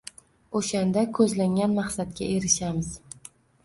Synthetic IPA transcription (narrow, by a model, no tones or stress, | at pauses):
oʃand̪akʰɵzlaŋʲanmaχsat̪̚kʲa̰e̞ɾɪʃamɪz̥